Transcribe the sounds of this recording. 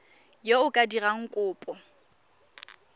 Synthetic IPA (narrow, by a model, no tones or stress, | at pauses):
joʊkʼadiraŋ̩kʼʊːpʼɔ